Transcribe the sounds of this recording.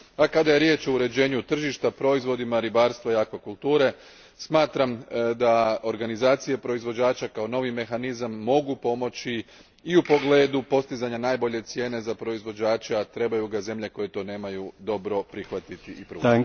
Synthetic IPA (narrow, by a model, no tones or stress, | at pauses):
akad̪aje̞ɾje̞t͡ʃo̞uɾe̞d͡ʑe̞ːɲut̪r̩ʒiʃt̪apɾo̞izʋo̞d̪imaɾibaːɾst̪ʋaiakʋakulˠt̪uːɾe̞ | smaːt̪ɾamd̪ao̞ɾɡanizaːt̪sije̞pɾo̞izʋo̞d͡ʑaːt͡ʃakao̞no̞ʋime̞xanizamːo̞ɡupo̞mo̞t͡ɕiː | upo̞ɡle̞ːd̪upo̞st̪izaɲanaːjbo̞ʎe̞t̪sje̞ːne̞zapɾo̞izʋo̞d͡ʑaːt͡ʃeat̪ɾe̞bajuɡaze̞mʎe̞ko̞je̞t̪o̞ne̞ːmajud̪o̞bɾo̞pɾixʋat̪it̪iʔipɾṵ